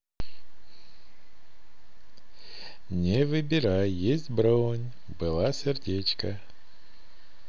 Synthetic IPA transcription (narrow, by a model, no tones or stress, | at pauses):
nʲɪvɨbʲɪɾajːesʲtʲbɾonʲ | bɨlˠasʲɪrdʲet͡ɕkə